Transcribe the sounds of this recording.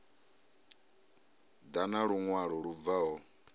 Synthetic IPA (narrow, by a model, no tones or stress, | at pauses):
d̪anaɺuŋwaɺɔɺub̪vaɦɔ